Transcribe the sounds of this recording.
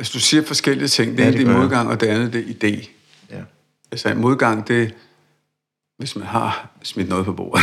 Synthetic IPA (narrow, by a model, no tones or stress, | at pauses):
ælsəd̥usiɐ̰fɒ̽sɡ̥el̰iət͡sʰe̝ŋ̰d̥end̥inmo̝ð̞ˠɡ̥ɑ̈ŋ̰ɒ̽d̥e̝ænð̞̩ˠd̥e̝ʔid̥e̝̰ː | ælsɐenmo̝ð̞ˠɡ̥ɑ̈ŋ̰d̥e̝ | ʋe̝smænɦɑ̈smid̥nɔ̽ːð̞ˠpʰɒb̥o̝̰ːɐðˠ